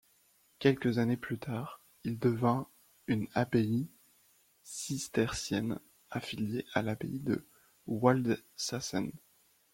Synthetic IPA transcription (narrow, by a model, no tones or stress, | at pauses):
kʲɛlkʲəzaneplyt̪ʰaːʁ | ild̪əvɛ̃ | ynabei | sist̪ɛʁsjɛn | afiljeʔalabḛid̪ə̰ | wald̪sasɛ̰n